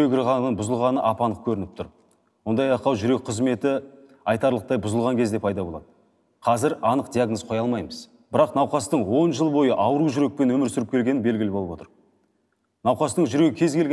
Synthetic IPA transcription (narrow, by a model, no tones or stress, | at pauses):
eɡʲɪɾʁɑnənbʊzəlˠʁɑnəʔɑpɑnəq̚kʲʰɵɾɪnɪp̚t̪ʰʊɾ | wo̞nd̪ɑjɑqɑwʒʏɾe̞k̚qʰəzme̞t̪ɪ | ɑjt̪ɑɾlˠəq̚t̪ɑjbʊzəlˠʁɑŋkʲʰe̞zd̪e̞pʰɑjd̪ɑbo̞lˠɑ̰d̪ə | qʰɑzɪɾɑnəqd̪ijaɡnəzqʰo̞jɑlˠmɑjməz̥ | b̥ɪɾɑqnɑwqɑst̪əɴwo̞nʒəlˠbo̞jəʔɑwəɾuʒʏɾe̞k̚pe̞nwɵmɪɾsʏɾɪp̚kʲʰeɡʲe̞nɪbe̞lɡʲɪlɪboəpwot̪əɾ | nɑwqɑst̪əɴʒʏɾe̞ɡʲɪkʲʰe̞zɡʲelɡe